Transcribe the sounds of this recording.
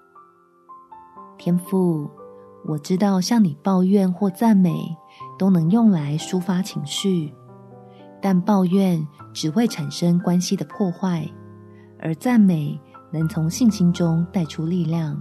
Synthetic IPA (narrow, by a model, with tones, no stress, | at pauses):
t̪ʰjɛ˥nfu˥˩ | wʔɔ˨˩ʈ͡ʂɻ̩˦˥t̪ɑ˥˩˧ʊɕjɑ˥˩ŋni˨˩pɑ˥˧ʊɥɛ˥˨nxwɔ˥˧t͡sa˥˩nme˨˩ɪ | t̪o˥ʊnɤ˧˥ŋjʊ˥˩ŋla˧˦ɪʂu˦fa˥t͡ɕʰi˧˥ŋɕy˥˩ | t̪a˥˧npɑ˥˧ʊɥɛ˥˨˩nʈ͡ʂɻ̩˨˩xwe˥˩ɪʈ͡ʂʰa˨˩nʂə˥ŋkwa˦nɕi˨d̪ə˨pʰwɔ˥˧xwa˥˩ɪ | ʔə̰˧˥t͡sa˥˩nme˨˩ɪnɤ˧˥˦ŋt͡sʰʊ˧˥ŋɕi˥˨˩ŋɕi˧˥ŋʈ͡ʂʊ˥ŋt̪a˥˩ɪʈ͡ʂʰu˦li˥˧ljɑ˥˨˩ŋ